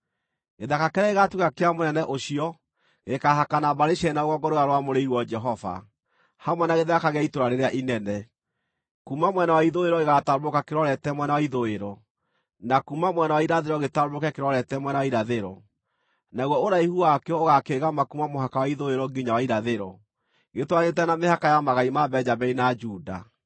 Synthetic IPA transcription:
ɣeðakakɛɾɛeɣatukakeamonɛnɛʔoɕiɔ | ɣekaɦakanabaɾeɕɛnaoɣɔɡɔɾoɣaɾowamoɾeiɾwɔd͡ʒɛɦɔva̰ | hamwɛnaɣeðɛakaɣeaitoɾaɾeɾeaʔinɛnɛ | kumamwɛnawaiðoeɾɔeɣataɾoɾokakeɾɔɾɛtɛmwɛnawaiðoeɾɔ | nakumamwɛnawaiɾaðeɾɔɣetaɾoɾokɛkeɾɔɾɛtɛmwɛnawaiɾaðeɾɔ | naɣwɔoɾaihuakeɔoɣakeɣamakumamoɦakawaiðoeɾɔɡiɲawaiɾaðeɾɔ | ɣetwaɲetɛnamehakajamaɣaimabɛd͡ʒabɛinad͡ʒuːda̰

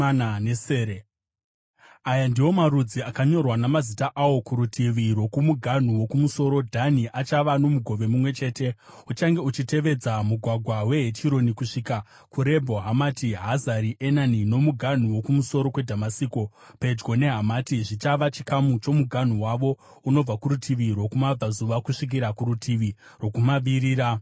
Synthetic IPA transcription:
neseːe | ajandiwo̞maɾud͡ziakaɲo̞rwanamazitaʔawo̞kuɾutʰiʋiɾwo̞kumuɡʱan̤uwo̞kumuso̞ɾo̞dʱaniʔat͡ʃaʋano̞muɡʱo̞ʋe̞mumwe̞t͡ʃe̞ːte̞ | ut͡ʃaŋɡe̞ut͡ʃite̞ʋe̞d͡zamuɡʱwaɡʱwawe̞ɦetʰiɾo̞nikuʂiːka | kuɾe̞bʱo̞ɦamatiɦazaɾiʔenanino̞muɡʱan̤uwo̞kumuso̞ɾo̞kwe̞dʱamasiko̞ | pe̞d͡ʒɡo̞ne̞ɦamatiʐit͡ʃaʋat͡ʃikamut͡ʃo̞muɡʱan̤uwaʋo̞ | uno̞b͡vakuɾutʰiʋiɾwo̞kumab͡vazuʋakuʂik̬iɾakuɾutʰiʋirwo̞kumaʋiɾiːɾa

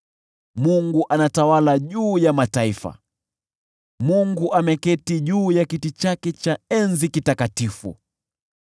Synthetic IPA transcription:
muŋɡuʔanatawalaʄuːjamataifa̰ | muŋɡuʔamɛkɛtiʄuːjakitit͡ʃakɛt͡ʃaɛnzikitakatifṵ

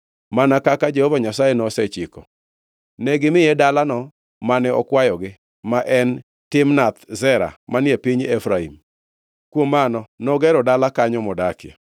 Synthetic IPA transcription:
manakakad͡ʒɛhɔvaɲasajɛnɔsɛt͡ʃɪkɔ | nɛɡɪmɪjɛdalanɔ | manɛɔkwajɔɡɪ | maʔɛn | tɪmnat̪zɛɾa̰manjepiɲɛfɾaḭm | kwomanɔnɔɡɛɾɔdalakaɲɔmɔdakja̰

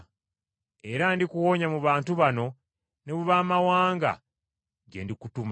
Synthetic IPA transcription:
e̞ɾandikuwo̞ɲamuβaːntuβano̞ | ne̞βuβaːmawaːŋɡa̰ | ɟe̞̰ndikutum

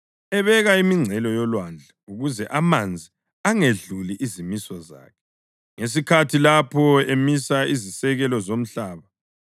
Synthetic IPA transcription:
ɛβɛɣaimiŋ͡ǀʱɛlɔjɔlwand͡ɮʱauɣuzɛʔamand͡zʱi | aŋeɮuliʔizimisɔza̰ːkʰɛ̥ | ŋes̬ikʰatʰilapʰɔemisaizisɛɣɛlɔzom̩ɬaːβa

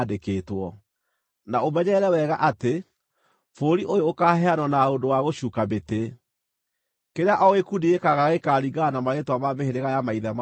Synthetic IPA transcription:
dekeːtwɔ | naomɛɲɛɾɛwɛɣaʔate | foɾiʔojookaɦɛanɔnaondowaɣoɕukabete | keɾeaʔɔɣekundiekaɣaɣekaɾiɡanamaɣetwamameheɾeɣajamaiðɛm

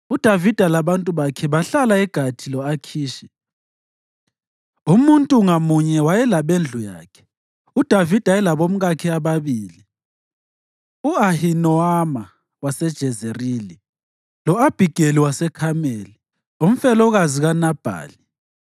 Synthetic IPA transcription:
ud̥ʱavid̥ʱalaβantʼuβakʰɛβaɬalaɛɡ̥ʱatʰilɔakʰiːʃɛ̥ | umuntʼuŋamuɲɛwajɛlaβend͡ɮʱuja̰ːkʰɛ̥ | ud̥ʱavid̥ʱajɛlaβom̩ɣakʰiaβaβiːli | uahinɔama | wasɛd̥ʒ̥ʱɛzerili | lɔab̥ʱiɡ̥ʱeliwasɛkʰameli | um̩fɛlɔɣaziɣanab̥ʱa̰ːli

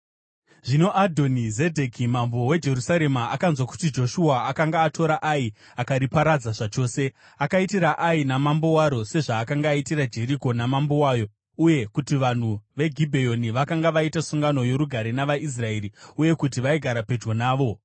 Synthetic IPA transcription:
ʐino̞ʔadʱo̞nize̞dʱekimambo̞we̞d͡ʒe̞ɾusaɾe̞maʔakanzwaku̥tid͡ʒo̞ʃuaːkaŋɡaːto̞ɾaʔai | akaɾipaɾad͡zaʐat͡ʃo̞ːse̞ | akaitiɾaʔainamambo̞waɾo̞se̞ʐaːkaŋɡaːitiɾad͡ʒe̞ɾiko̞namambo̞waːjo̞ | uje̞kutiʋan̤uʋe̞ɡʱibʱe̞jo̞niʋakaŋɡaʋaitasuŋɡano̞joɾuɡʱaɾenaʋais̬rae̞ːɾiuje̞kutiʋaiɡʱaɾape̞d͡ʒɡonaːʋo̞

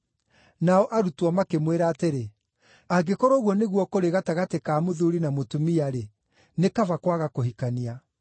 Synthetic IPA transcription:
naɔʔaɾutwɔmakemweɾaːteɾe | aɡekɔɾɔɣwɔneɣwɔkoɾeɣataɣatekaːmoðuɾinamotumiaɾe | nekavakwaɣakoɦikania

